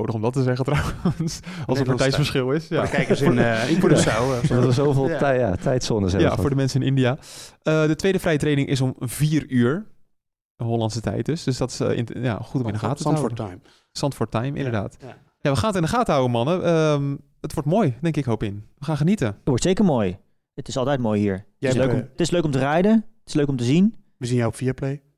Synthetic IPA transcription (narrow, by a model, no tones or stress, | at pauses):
nowdəχɔmdɔtəzɛɣəntrɔwənsɑlˠəpːtjsfəɹsχɪlˠɪsjakɛjksɪnsawəsowveːlˠja̰tʰɛjtsɔnəzɛja̰foːɹdəmɛnsənɪnɪndijaːədətʋejdəfrɛjətrejnɪŋʔɪ̰s̬ɔmviːryːɹ | əɦɔlɑntsətɛ̰jt̚døsdøsdɔtɪ̥sɪ̰nja̰χutɔmɪndəxaːtəəɦawəm | sɑntfɔɹtajmʔɪ̰ndəɹda̰ːt | jaːʋəχaːnətɪndəχaːtəɦawənmɑnəəm | ətʋɔɹtmoːjdɛŋkɪkɦowpɪnʋəχaːnχənitətʋɔɹtsejkəɹmoːj | ətɪsɑlˠtɛjt̚moːjhiːɹ | ɪsløtɪsløɥkɔmtərɛjdəətɪsløɥkɔmtəzin | ʋəzinjajɔpfiaplej